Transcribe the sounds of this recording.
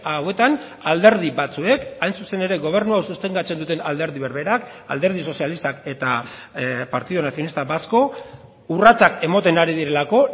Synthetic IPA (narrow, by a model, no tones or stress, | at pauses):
awe̞t̪an | ald̪e̞ɾð̞iβat͡sue̞kajnsuse̞ne̞ɾe̞ɣo̞β̞e̞ɾnuawsust̪eŋɡat͡se̞nd̪ut̪e̞nald̪e̞ɾðiβe̞ɾβe̞ɾak | a̰ld̪e̞ɾð̞iso̞sjalist̪ake̞t̪a | paɾt̪iðonasio̞nist̪aβasko̞ | urat͡sake̞mo̞t̪e̞naɾiðiɾe̞lako̞